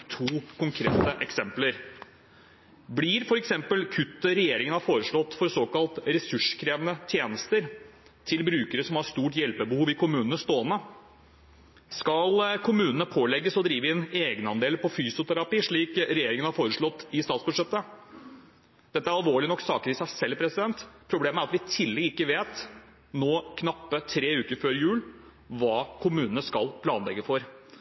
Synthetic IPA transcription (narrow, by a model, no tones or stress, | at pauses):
t̪ʰuːkʰʊŋkʰɾḛːt̪əʔɛksɛmpləɾ | bliːɾfɔɾɛksɛmpəlkʰʉt̪ːəɾɛjeːɾɪŋənɑfoːɾəʂɭɔt̪ːfɔɾsoːkɑlt̪ɾɛsʉʂkʰɾeːʋənət̪ʰjeːnəst̪əɾ | t̪ʰɪlbɾʉːkəɾəsɔmhɑɾst̪uːʈjɛlpəbəhuːʋɪkʊmʉːnənəst̪oːənə | skɑlkʰʊmʉːnənəpʰoːlɛɡːəsɔd̪ɾiːʋəɛneːɡnɑnd̪eːlpʰɔfyːsʊt̪ʰæɾɑpiːʂɭiːkɾɛjeːɾɪŋənhɑɾfoːɾəʂɭɔt̪ːɪst̪ɑːt̪sbʉd̪ʂɛt̪ːə | d̪ɛt̪ːəæɾɑlʋoːɭɪnɔkːsɑːkəɾɪsæɪsɛlːpʰɾɛsɪd̪ɛnt̪pʰɾʊbleːməæɾɑt̪ʋɪt̪ʰɪlːɪɪkːəʋeːt̪ | noːkʰnɑpːət̪ʰɾeːʉːkəɾføːɾjʉːl | ʋɑːkʰʊmʉːnən̩əskɑlpʰlɑːnlɛɡːəfɔɾ